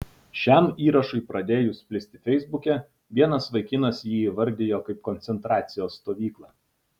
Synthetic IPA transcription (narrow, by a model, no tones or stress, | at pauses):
ʃʲɛmiːɾɐʃʊɪpɾɐd̪ʲeːjʊsʲpʲlʲɪsʲt̪ʲɪfʲɛɪzbʊkʲɛ | ʋʲiɛnɐsʋɐɪkʲɪnɐsjiːʋɐɾʲd̪ʲɪjoːkɐɪp̚kɔnʲt̪sʲɛnt̪ɾɑːt̪sʲɪjoːsːt̪oːʋʲiːklˠɑː